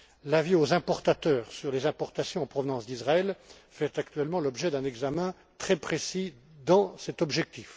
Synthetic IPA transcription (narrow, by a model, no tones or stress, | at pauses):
laviozɛ̃pɔʁt̪at̪œːʁsyʁlezɛ̃pɔʁt̪asjɔ̃ɑ̃pχɔvnɑ̃sd̪izʁaɛl | fɛt̪akt̪ɥɛlmɑ̃lɔbʒɛd̪ɛ̃nɛɡzamɛ̃ | t̪χɛpχesi | d̪ɑ̃sɛt̪ɔbʒɛk̚t̪if